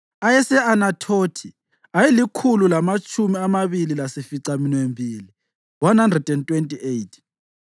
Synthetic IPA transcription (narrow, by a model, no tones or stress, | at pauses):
ajɛsɛanatʰotʰi | ajilikʰululamat͡ʃʼʰumiamaβililasifiǀaminwembʱiːli | wanhandrɛd̥ɛntʼwentʼiʔejtʰ